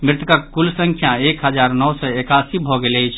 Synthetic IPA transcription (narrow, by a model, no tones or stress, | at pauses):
mɾɪt̪kakkulsə̃ŋkʰjãekɦəd͡ʒaɾnɔwsəekasibʱɔɡeləjt͡ʃʰ